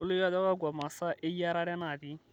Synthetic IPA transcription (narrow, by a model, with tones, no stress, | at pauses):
le˦ja˦ða˦wa˦ɡwa˨ma˨sa˦ʔe˦ja˦ɾa˦ɾɛ˦na˨ði˨˦